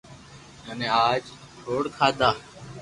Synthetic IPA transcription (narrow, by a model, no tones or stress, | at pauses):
ənẽːaːd͡ʒ | ʈʰoːɽkʰaːd̪aː